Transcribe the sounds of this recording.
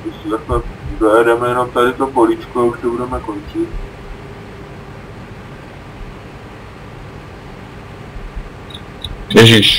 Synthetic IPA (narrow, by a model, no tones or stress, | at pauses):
ɪszasɛzojɛdɛmɛjɛno̞mt̪adɪt̪opoliːt͡ʃkoauʃsɛbudɛmɛko̞nt͡ʃɪt̪̚ | jɛʒiʃ